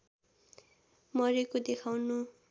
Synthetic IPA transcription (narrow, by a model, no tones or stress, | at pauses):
mʌɾekod̪ekʰawnu